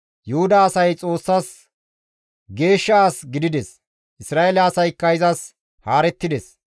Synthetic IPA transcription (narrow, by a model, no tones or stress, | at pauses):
jʊhʊd̪aːsɐjt͡sʼo̞ːsːas | ɡe̞ːʃːɐaːsɡɪd̪ɪd̪ɛs | ʔɪsɾaːʔelɐːsɐjkːɐjɪzɐs | haːɾɛt̪ːɪd̪ɛs